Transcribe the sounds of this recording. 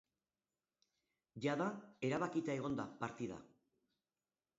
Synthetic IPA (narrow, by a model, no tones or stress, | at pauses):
ʝaðae̞ɾaβakit̪ae̞ɣ̞o̞nd̪apaɾt̪iða̰